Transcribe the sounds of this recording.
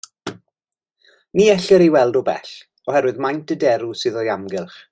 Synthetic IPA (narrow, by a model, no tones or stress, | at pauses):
niːɛɬɛɾiwɛlˠdɔbɛ̰ɬ | ɔhɛɾwɨðmajntʰədɛɾusɨðɔjamɡɪlˠχ